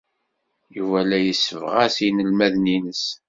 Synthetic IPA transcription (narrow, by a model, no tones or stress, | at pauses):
juvælæjəsːəvʁæsinəlmæðninəs